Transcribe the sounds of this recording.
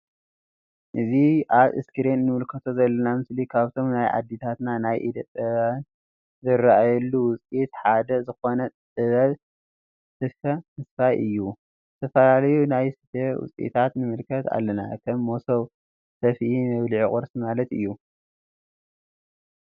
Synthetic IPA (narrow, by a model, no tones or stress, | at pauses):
ʔɨziʔaβʔɨ̰skɨɾenːɨmɨlkʰɐt̪ʰo̞zɐlːɐnamɨslikʰaβt̪ʰo̞mnajʕa̰d̪ːit̪ʰat̪nanajʔid̪ɐt̪ʼɐβan | zɨɾaʔajɐlːuwʊt͡sʼit̪ħad̪ɐzɨxo̞nɐɨβɐβ | sɨfɐmɨsfajʔɨjːu | zɨt̪ʰɐfɐlalɐjunajsɨdɐwʊ̰t͡sʼʔḭt̪ʰat̪nɨmɨlkʰɐt̪ʰa̰lːɐna̰kʰɐmːosɐw | sɐfʔimɐβlʕikʼɨɾsimalɐt̪ɨ̰jːu